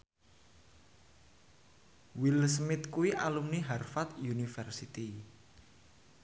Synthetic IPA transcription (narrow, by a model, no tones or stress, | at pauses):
wilsmɪt̪̚kuwiʔalumniɦarfat̪junifɛrsit̪i